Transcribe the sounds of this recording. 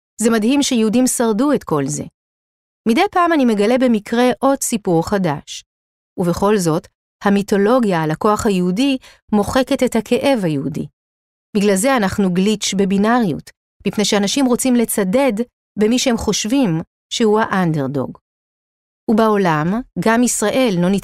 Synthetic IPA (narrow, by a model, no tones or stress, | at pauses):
zemadhimʃejehudimsaʁduetko̞lze̞̰ | mide̞jpaːmanime̞ɡale̞bemikʁe̞ʔo̞dsipuʁχadaʃ | uve̞χo̞lzo̞t | hamito̞lo̞ɡjalako̞aχhajeɦudi | mo̞χe̞ke̞te̞thakʰe̞ʔe̞vhajehudḭ | b̥iɡlalze̞anaχnuɡlit͡ʃbe̞binaʁjṵt | mipne̞jʃeanaʃimʁo̞t͡simle̞t͡sade̞d | be̞miʃehemχo̞ʃvim | ʃehuhaʔandeʁdo̞̰ɡ | ubao̞lamɡamisʁaʔe̞lːo̞nit